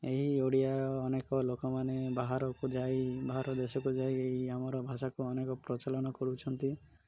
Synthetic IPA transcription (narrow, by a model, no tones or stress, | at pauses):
eɦioɽijaːnekɔlokɔmanebaɦaɾɔkud͡ʒajbaɦaɾɔd̪esɔkud͡ʒajeɦiamɔɾɔbʱaʃakuɔnekɔpɾɔt͡ʃalɔnɔkɔɾut͡ʃʰɔnt̪i